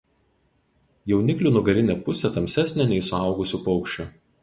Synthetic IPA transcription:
jɛʊnʲɪklʲuːˑnʊɡɐɾʲɪnʲɛpʊsʲɛt̪ɐmʲsʲæsʲnʲɛnʲɛɪsʊɑˑʊɡʊsʲupɔʊkʃʲt͡ʃʲʊ

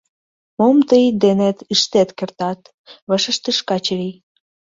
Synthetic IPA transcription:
momt̪əjd̪enet̪iʃt̪et̪kert̪ɑt̪ | βəʃə̆ʃt̪əʃkɑt͡ɕɾij

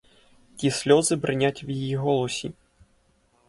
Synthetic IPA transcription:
tʲisʲlʲɔzɨbɾɨnʲat͡sʲwjijiɣɔlˠɔsʲi

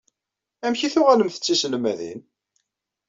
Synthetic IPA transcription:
æmçiθʊʁæləmθə̥t͡sːisəlmæðḭn

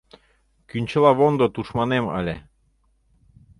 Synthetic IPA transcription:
kynʲt͡ɕɤ̆lˠɑβond̪ot̪uʃmɑnemɑ̰lʲe

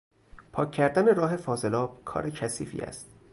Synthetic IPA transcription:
pʰɒːcʰːæɾd̪æneɾɒːɦe̞fɒːze̞lɒːb̥̚kʰɒ̰ːɾecʰæsḭːfḭːæ̰st̪̚

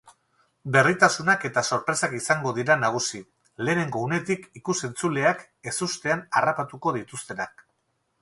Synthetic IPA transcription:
be̞rit̪asunake̞t̪aso̞ɾpɾe̞sakisaŋɡo̞ðiɾanaɣ̞usi | le̞ːne̞ŋɡo̞une̞t̪ikikuse̞nt͡sule̞ak | e̞sust̪e̞anarapat̪uko̞ðit̪ust̪e̞nak

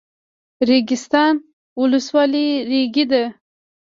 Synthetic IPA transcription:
ɾeɡist̪ɑn | uluswɑliɾiɡid̪ə

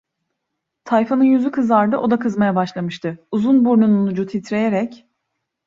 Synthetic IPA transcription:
t̪ʰajfanɯjyzykʰɯzlˠaɾd̪ɯʔo̞d̪akʰɯzmajabaʃlˠamɯʃt̪ʰɯuzunbuɾnununud͡ʒut̪ʰit̪ɾe̞jeɾɛc

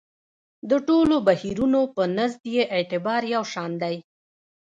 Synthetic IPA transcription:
d̪əʈolobahiɾunopənazd̪jeʔet̪ɪbɑɾjawʃɑnd̪aj

